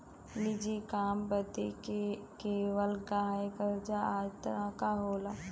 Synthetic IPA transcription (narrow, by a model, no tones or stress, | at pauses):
nɪd͡ʒikaːmbəd̪ekeːʋəlɡaːɦjɡəɾd͡ʒaaːd͡ʒt̪ɐɾãːkaɦoːlaː